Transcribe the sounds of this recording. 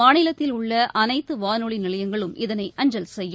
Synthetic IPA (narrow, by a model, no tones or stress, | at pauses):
aːnɪlɐt̪ːɪlʊɭːɐʔɐnɐɪt̪ːɯʋaːnoɭinɪlɐjɐŋɡɐɭɯmɪðɐnɐɪʔɐɲd͡ʒɐlsɛjːɯ